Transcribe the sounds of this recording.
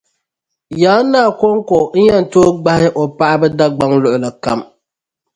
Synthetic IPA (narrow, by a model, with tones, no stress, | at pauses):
jaː˨˦nːaː˦˨ko˦ŋko˨n̩˦ɲa˦n˨toː˦ɡ͡ba˦hɪ˦ʔo˨pa˦ʔa˦bɨ˦da˦ɡ͡ba˦ŋlʊ˨ʔʊ˨la˨ka˦m